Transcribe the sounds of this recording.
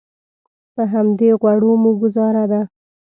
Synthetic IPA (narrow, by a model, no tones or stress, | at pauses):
pəɦamd̪eɣwaɽomuɡʊzɑɾad̪a